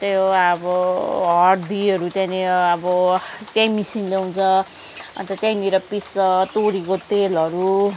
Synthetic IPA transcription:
t̪joabʌɦʌɽd̪iʌɾut̪jãneʌbʌt̪jãjmisinlewũnt͡sʰʌ | ʌ̰nt̪ʌt̪jãj̃niɾʌpisʌt̪oɽikot̪elʌɾu

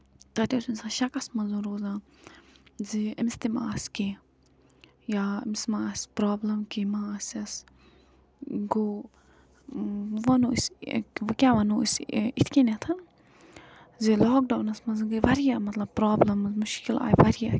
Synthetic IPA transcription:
t̪ɐt̪ʲesinʲsãːʃɐkɐsmɐnzunɾoːzãː | ziɐmst̪imaːski | jaːɐ̰msmaːsʲpɾaːblɐmkimaːsɐs | ɡo | ʋɐnoskʲaːʋɐnosit̪ʰkʲenet̪ʰɐ | zilɔːk̚ɖaːnɐsmɐnzɨɡɨʋɐɾijamɐt̪lɐb̚pɾaːblɐmɐzmuʃkila̰ːjʋɐɾija

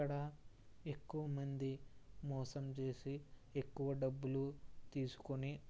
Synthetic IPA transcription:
ɐɽɐe̞kːuʋɐmɐnd̪imɔːsɐmt͡ʃe̞ːsie̞kːuʋɐɖɐbːulut̪iːsu̥koni

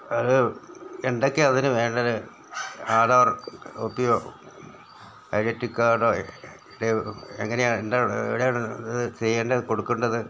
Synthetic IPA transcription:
ɐðɨeɳɖokːeɐðinɨʋe̞ːɳɖɐɾɨ | aːɾaːɐro̰ːpːijo | ɐjɾɐtːikːaːɳo | iɽeḛŋːɐneaːendaːɳḛʋiɽejaːɳðɨt͡ɕeɐɳɖeko̞ɽukːuɳɖɐðɨ

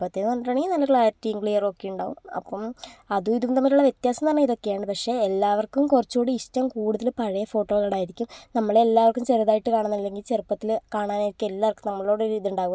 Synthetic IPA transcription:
pːɐt̪ːenːuɐnaːɳeinɐlːɐkɭaːtːijuŋɡɭijɐrokːejuɳɖa̰ːʋṵmɐ̰pːɐmɐðuiðumt̪ɐmːɐluɭːɐʋje̞t̪jaːsɐmt̪ɐɳːeiðo̞kːejaːɳɖɨpɐkʂe̞ːlːaːʋɐrkːumkurɐt͡ɕːoːɽɨiɕtɐmkuːɽuðɐlpɐɻɐjɐfo̞ːʈːo̞ːɣɐlɐɽaːjiɾikʲːumnɐmːɐɭelːaːʋɐrkːumt͡ɕeriðaːjiʈːɨkaːɳunːɐilːe̞ŋɡilt͡ɕerupːɐt̪ːilkaːɳaːnaːjiɾikʲːumelːaːʋrkːɨmnɐmːɐɭo̞ːɽeɾiːðiuɳɖaːɣu

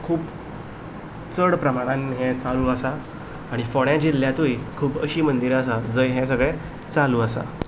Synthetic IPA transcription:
kʰuːp | t͡səɽpɾəmaɽ̃ãnɦɛ̃t͡saluːəsaː | ɽ̃ifɔɽjãd͡ʑilːjat̪ujkʰuːpəɕiːmənd̪iɾəs̬ad͡zəjɦɛ̃s̬əɡɭɛ̃ | t͡saluːəsa̰

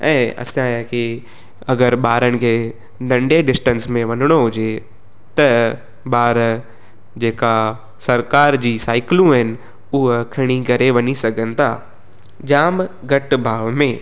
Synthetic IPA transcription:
ɛ̰̃ːɐ̰sãki | ɐɡəɾɓaːɾəɽ̃ɪ̆kʰeː | d̪ɐ̃ɳɖeɖɪsʈə̃nsmẽʋɐnəɽ̃oɦʊd͡ʑe | t̪ɐ | ɓaːɾ | d͡ʑeːka | sɐɾkaːɾd͡ʑiːsaːɪklũɦɪnɪ̆ | ʊɦəkʰɪɽ̃ikɐɾeʋɐɲisɐɡʱənɪ̆t̪ʰa̰ː | d͡ʑaːmɡɐʈbʱaːʋmẽː

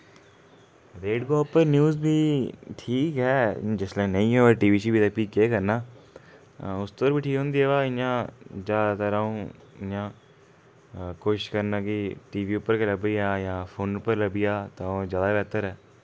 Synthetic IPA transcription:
ɾeːɖɡoːpəɾnjuːzbʱiːʈʰiːkɦɛːd͡ʒɪsleːnəĩːɦɛːəʈiːʋiːʃiːbʱiːt̪apiːkːeːkəɾnaː | ʊst̪oɾbʱiːʈʰiːkɦõːnd̪iːɦɛːʋaːɪjãːd͡ʒaːt̪əɾaːõːɪãː | koːʃɪʃkəɾnaːkiʈiːʋiːʊpːəɾkeləbijaːjãːpʰoːnʊpːəɾləbijaːt̪ãõːd͡ʒjaːd̪aːbɛːt̪əɾɦɛː

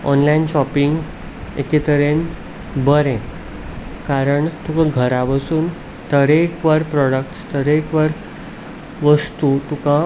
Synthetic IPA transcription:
ɔ̰nlainɕɔpiŋɡ | ekit̪əɾen | bəɾẽ | kaɾəɳt̪ukãɡʱəɾaʋəsuːn | t̪əɾekʋaɾpɾɔɽəkʈst̪əɾekʋaɾ | ʋəst̪ut̪ukã

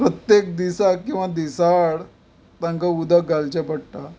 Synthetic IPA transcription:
pɾət̪jek̚d̪isakĩw̃ʋad̪isaɽ | t̪ãŋkaud̪ʱaɡalt͡ɕapəɽʈ̪a

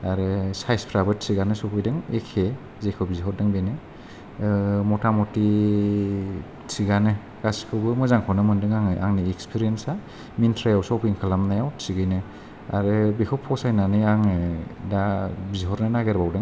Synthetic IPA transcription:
aɾɯsajspʰɾabɯtsiɡanɯsɔpʰɯjdɯŋekʰe | zekʰɯbizɦɔɾ̚dɯŋbenɯ | mɔtʰamɔti | siɡanɯ | ɡ̥asi̥kʰɯwɡɯmɔzaŋkʰɔnɯmɯndɯŋaŋɯʔa̰ŋniekspʰiɾiensa | mintʰɾajawsɔwpʰiŋkʰɯlamnajawsiɡɯjnɯ | a̰ɾɯbekʰɔwpʰɔsajnanɯaŋɯdabiziɦɔɾnɯnaɡeɾbawdɯŋ

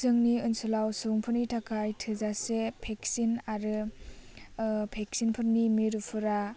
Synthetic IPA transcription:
zɯŋniɯnsulawsɯŋpʰɯnitʰakʰajtʰɯzasepʰek̚sinaɾɯ | pʰek̚sinpʰɯɾnimiɾupʰɯɾa

